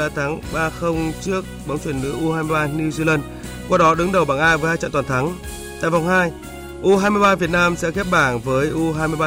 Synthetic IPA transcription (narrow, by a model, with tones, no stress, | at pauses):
aː˨˩t̪ʰaː˨˦ŋɓaː˧xə˧wŋ͡mt͡ɕɨ˦˥ək̚ɓa˨˦wŋ͡mt͡ɕwi˧˩ənːɨ̰˧˥əʔu˧haː˧jmɨ˧jɓaː˧ɲɨ˧zɨ˧lə˧n | kwaː˧ɗɔ˨˦ɗɨ˨˦ŋɗə˨˩wɓaː˧˩ŋʔaː˧jvə˨˦jhaː˧jt͡ɕa̰˧˨t̪aː˨˩t̪ʰa˨˦ŋ | t̪a̰ː˧˨jva˨˩wŋ͡mhaː˧j | ʔu˧ɦaː˧jmɨ˧jɓaː˧vi˨˩ət̚naː˧msɛ̰˧˥xɛ˦˥p̚ɓaː˧˩ŋvəː˨˦jʔu˧ɦaː˧jmɨ˧jɓaː˧